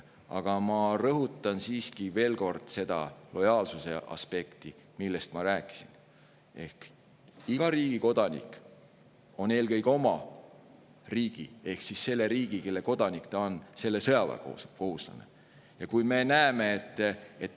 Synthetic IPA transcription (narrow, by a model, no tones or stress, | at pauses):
ɑ̰ɡ̥ɑmɑrɤɦut̪ːˑɑnsiːskive̞ːlko̞rd̪̥se̞d̪̥ɑ̰lo̞jɑːlsuse̞ʔɑ̰spe̞kt̪i | milːe̞st̪mɑɾæːkːˑi̥sin | e̞hk | iɡ̥ɑɾiːɡ̥iko̞d̪ɑnḭkˑ | o̞ne̞ːlkɤjɡo̞mɑ | riːɡ̥ḭe̞hksisːe̞lːe̞ɾiːɡ̥ike̞lːe̞ko̞d̪̥ɑnikt̪ɑonse̞lːe̞sɤjɑvɑ̰o̰ko̞ɦuslɑ̰nḛ | jɑkujme̞næeme̞ːt̪ːet̪ː